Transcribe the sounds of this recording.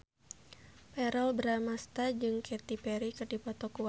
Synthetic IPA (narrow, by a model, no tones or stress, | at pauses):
pɛɾɔlbəɾamast̪ad͡ʒɨŋkʰɛt̪ipɛɾikɨrdipɔt̪ɔku